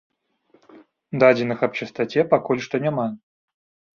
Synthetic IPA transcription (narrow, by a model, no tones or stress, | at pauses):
d̪adʲɪnɨxɐpt͡ɕɪst̪ɐtʲepɐkolʲʂt̪onʲɪma